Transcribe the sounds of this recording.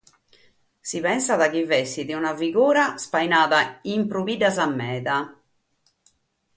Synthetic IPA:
siβɛnsaðak̟ivɛsːiðiunaviɣuːɾaspajnaːðaimpɾuβidazamːɛːða

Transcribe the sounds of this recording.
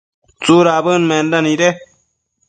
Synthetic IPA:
t͡suːɾaːbəːnmeːndɐniɾe

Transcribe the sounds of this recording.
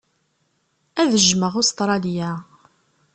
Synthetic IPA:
æðəʒməʁʊst̪ɾˤɑljæ

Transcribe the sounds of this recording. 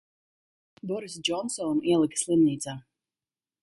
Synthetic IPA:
bɔɾis̬d͡ʒɔnsɔniɛlˠɨkslˠɨmniːt̪saː

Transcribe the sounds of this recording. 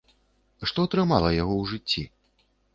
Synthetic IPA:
ʂt̪ɔɐt̪ɾɨmalˠɐjaɣɔwʐɨt͡sʲːḭ

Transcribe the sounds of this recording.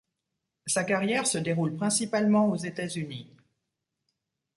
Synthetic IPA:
sakaʁjɛʁsəd̪eʁulpχɛ̃sipalmɑ̃ozet̪azyni

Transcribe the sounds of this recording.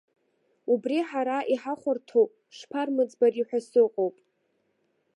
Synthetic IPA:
ubriħaɾaʔiħaχʷʊrtʰowpʼ | ʂpʰarmɨd͡zbariħʷᶣasɨqʼowpʼ

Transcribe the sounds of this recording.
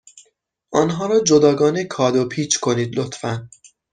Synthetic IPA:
ʔɒnɦɒːɾɒːd͡ʒod̪ɒːɡɒːnekʰɒːd̪opʰiːt͡ʃʰkʰo̞niːd̪lot̪ʰfæn

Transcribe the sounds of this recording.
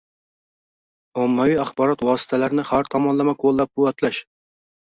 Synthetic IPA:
ɑmːɛwijɑχbɑɾɑt̪wɑːsɨ̥t̪ʰɛlæɾnɪχæɾt̪ʰɑmɑnlˠɨmɛqʰolˠːɑp̚kʰuwɑt̪lˠæʃ

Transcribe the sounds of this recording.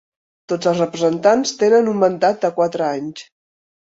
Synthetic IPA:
t̪od͡zəlˠsrəpɾəzənt̪anst̪enənummənd̪at̪̚d̪əkwat̪ɾəaɲs

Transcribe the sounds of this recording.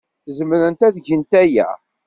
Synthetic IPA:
θzəmɾənt̪æðʝənt̪æjæ̰

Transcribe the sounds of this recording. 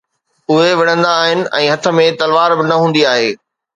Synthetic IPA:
ʊɦeʋɪɽ̤̃ə̃nd̪aːɦɪnɪ̆ʔɛ̃ːɦɐt̪ʰə̆mẽt̪ɐlʋaːɾbɪnɐɦũːnd̪iaːɦeː

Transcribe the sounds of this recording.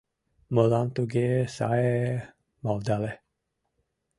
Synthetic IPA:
məlant̪uɡesa̰e | mald̪alɛ

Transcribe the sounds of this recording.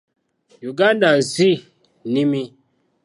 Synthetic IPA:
juɡandazi | nimi

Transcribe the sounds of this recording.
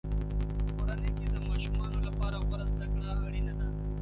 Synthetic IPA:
koɾaneked̪əmɑːʃumɑːnolapɑːɾawaɾazd̪akɽaːɽinad̪a

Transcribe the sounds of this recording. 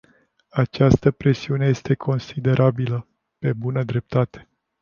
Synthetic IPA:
at͡ʃast̪əpɾe̞siuneje̞st̪e̞kʰo̞nsid̪e̞ɾʔabilə | pe̞bunəd̪ɾe̞p̚t̪at̪e̥

